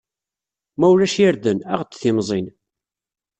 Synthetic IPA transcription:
mæwlæʃjəɾðənæ̰ʁt͡sːθɪmzˤin

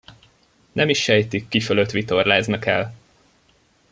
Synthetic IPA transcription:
nɛmiʃːɛjt̪ikːiføløt̪ʋit̪o̞rlaːznɒkɛ̰l

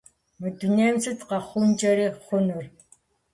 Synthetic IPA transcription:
mɨduneːmsɨtʰqɑχʷʊnd͡ʒʼɐɾiːχʷʊnɨr

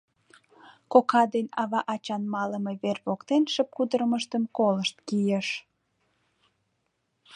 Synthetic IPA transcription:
kokɑd̪enɑβɑʔɑt͡ɕɑnmɑləmeβerβokt̪enʃəp̚kud̪əɾəməʃt̪əmkoləʃt̪̚kijeʃ

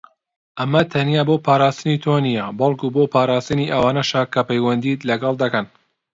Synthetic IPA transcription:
ʔɐmɐt̪ʰɐnjaːbopʰaːɾaːst̪ɨnit̪ʰonijɐbɐlˠkuboːpʰaːɾaːst̪ɨniʔɐwaːnɐʃakɐpɐjwɐnd̪it̪lɐɡɐlˠd̪ɐkɐn

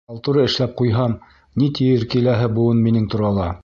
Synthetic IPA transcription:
ɑlˠt̪uɾɤɘ̆ʃlæp̚qujɦɑm | nit̪ijɘɾkilæɦɘbuɤnminɘŋt̪ŏɾɑlˠɑ

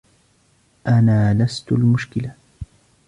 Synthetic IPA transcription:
ʔanaːlast̪ʊlmʊʃkɪla

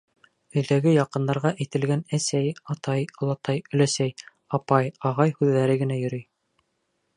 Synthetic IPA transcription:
ɵ̆jðæɡɘjɑqɤ̆nd̪ɑɾʁɑʔæjt̪ɘ̆lɡænæsæjɑt̪ɑjŏlˠɑt̪ɑjɵ̆læsæj | ɑpɑjɑʁɑjhʉðːæɾɘɡɘ̆næjɵ̆ɾɵj

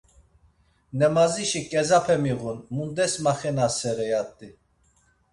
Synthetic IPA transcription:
nɛmaziʃikʼɛzapʰɛmiʁunmund̪ɛsmaχɛnasɛɾɛjat̪ʼːi

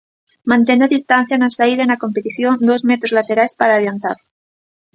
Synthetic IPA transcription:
mãnt̪̬enaðist̪an̟θjanasaiðenako̞mpet̪iθjo̞nd̪o̞zmet̪ɾozlat̪e̞ɾaespaɾaːβjant̪aɾ

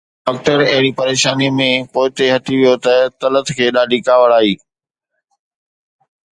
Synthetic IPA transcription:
ɖɔːk̚ʈəɾɐɦɪɽ̃ipɐɾeːʃaːnimẽpoːɪt̪eɦɐt̪ʰiʋijot̪ɐt̪ɐlət̪ʰkʰeːɗaːɖʱikaːʋəɽaːɦiː

